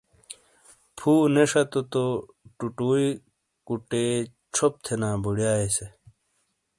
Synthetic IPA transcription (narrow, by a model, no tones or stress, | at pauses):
pʰuːneʂɐt̪ot̪o | ʈuʈuːi | kuʈeː | t͡ɕʰop̚t̪ʰenaːbuɽjaːese